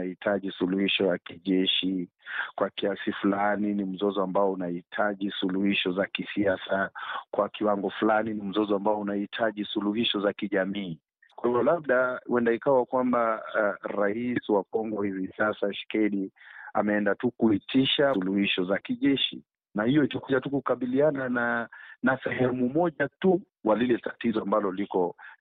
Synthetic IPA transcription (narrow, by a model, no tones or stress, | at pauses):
ahitʰaʄisuluhiʃɔjakiʄɛʃi | kwakiasifulaninim̩zɔzɔambaɔunahitʰaʄisuluhiʃɔzakisiasakwakiwaŋɡɔfulaninim̩zɔzɔambaɔunahitʰaʄisuluhiʃɔzakiʄamiː | kwahivɔlaɓ̚ɗawʔɛndaikawakwambaɾaiswakɔŋɡɔhivisasaʃkɛɗia̰mɛɛndatukuitiʃaluhiʃɔzakiʄɛʃḭ | nahijɔitakuʄatukukaɓilianananasɛɦɛmumɔʄatu | walilɛtatizɔambalɔlikɔ